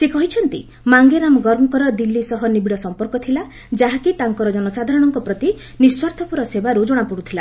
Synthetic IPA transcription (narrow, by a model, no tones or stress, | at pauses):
sekɔɦit͡ʃʰɔnt̪i | maŋɡeɾamɔɡɔɾɔŋkɔɾɔd̪ilːisɔɦɔnibiɭɔsɔmpɔɾkɔt̪ʰila | d͡ʒaɦakit̪aŋkɔɾɔd͡ʒɔnɔsad̪ʱaɾɔɽ̃ɔŋkɔpɾɔt̪i | niswaɾt̪ʰɔpuɾɔsebaɾud͡ʒoɽ̃apuɽut̪ʰila